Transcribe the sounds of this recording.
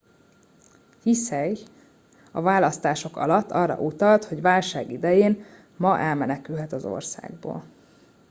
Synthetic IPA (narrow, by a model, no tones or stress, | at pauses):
hisɛɡ | ɒvaːlɒst̪aːʃo̞kɒ̰lɒt̪ːɒrːɒ̰ʔut̪ɒlt̪ho̞ɟvaːlʃaːɡid̪ɛjeːn | mɒʔɛlmɛnɛkylɦɛt̪ɒzo̞̰rsa̰ːɡ̚bo̰ːl